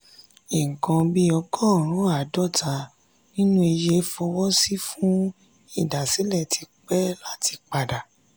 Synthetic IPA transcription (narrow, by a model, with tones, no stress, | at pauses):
e˨ŋ̩˨kɔ̃˧bi˦ɔ˧kɔ˦˨ɾ̃ũ˨˦a˨dɔ˦˨ta˨ | nĩ˦nũ˦e˧je˧˦fɔ˧wɔ˦si˦fũ˦ | i˦˨da˨si˨˦lɛ˦˨tʰi˧k͡pɛ˦la˦ti˧k͡pa˨da˨